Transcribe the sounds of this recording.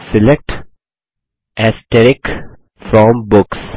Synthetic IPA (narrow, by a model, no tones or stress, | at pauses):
sɪlek̚ʈ | æsʈeɾɪk | fɾɔ̃mbʊks